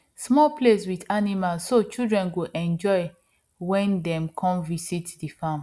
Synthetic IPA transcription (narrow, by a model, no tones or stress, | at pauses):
smɔlpleswidanimalsːot͡ʃildɹɛ̃nɡoʔɛ̃nd͡ʒɔɪ | wɛ̃ndɛ̃mkʰɔ̃mvisitdifãm